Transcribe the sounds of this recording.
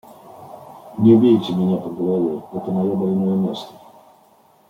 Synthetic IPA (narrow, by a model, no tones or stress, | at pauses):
nʲɪʊbʲeɪtʲɪmʲɪnʲapəɡəlˠɐvʲeɛt̪əmɐjobɐlʲnojəmʲest̪ə̥